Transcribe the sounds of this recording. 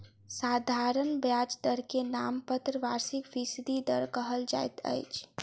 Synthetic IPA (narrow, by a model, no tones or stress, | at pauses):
sad̪ʱaɾənbjad͡ʒd̪əɾkenampət̪ɾəʋaɾsikbisd̪ʱid̪əɾkəɦəld͡ʒa̰jt̪ə̰jt͡ʃʰ